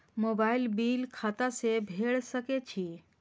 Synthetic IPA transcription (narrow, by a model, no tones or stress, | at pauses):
mobailbiːlkʰat̪asebʱeɭsəket͡ɕiː